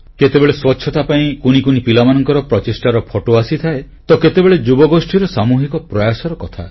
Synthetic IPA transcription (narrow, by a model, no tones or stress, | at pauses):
ket̪ebeɭeswɔtːʃʰɔt̪apaĩkunikunipilamanɔŋkɔɾɔpɾɔt͡ʃesʈaɾɔpʰɔʈoasit̪ʰaet̪ɔket̪ebeɭed͡ʒubɔɡosʈʰiɾɔsamuɦikɔpɾɔjasɔɾɔkɔt̪ʰa̰